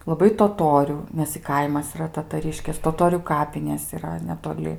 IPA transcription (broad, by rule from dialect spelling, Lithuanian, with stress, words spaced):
lˠɐˈbɐɪ toːˈtoːrʲʊ ˈnʲɛs ɪ ˈkɐɪmɐs ɪˈrɐ tɐtɐˈrʲɪʃʲkʲeːs toːˈtoːrʲuː ˈkɑːpʲɪnʲeːs iːˈrɐ nʲɛtoːˈlʲɪ